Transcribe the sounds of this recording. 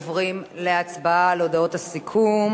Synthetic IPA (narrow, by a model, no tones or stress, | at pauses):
vʁimle̞at͡sbaaleodao̞thasikʰum